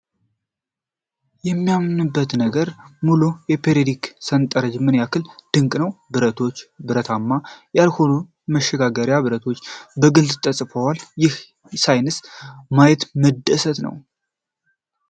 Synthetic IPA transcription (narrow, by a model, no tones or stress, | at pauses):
jɛmːijamnɨbːət̪nəɡəɾmulujɛpʰeɾed̪iksənt̪ʼəɾəd͡ʒmɨnjakʰɨld̪̥ɨŋkʼnəwbɨɾət̪ʰo̞t͡ʃːbɨɾət̪ʰamːajalho̞nu | məʃːɛɡaɡəɾjabɨɾət̪ʰo̞t͡ʃːbəɡɨlt̪ɨt̪ʼːəsʼfəwaljɪh | sajnɨsmajɛt̪məd̪ːəsət̪nə̰w